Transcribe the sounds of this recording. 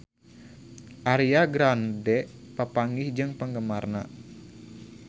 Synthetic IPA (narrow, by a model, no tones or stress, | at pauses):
ʔaɾiaɡɾandɛpapaŋɡihd͡ʒɨŋpəŋɡəmarna̰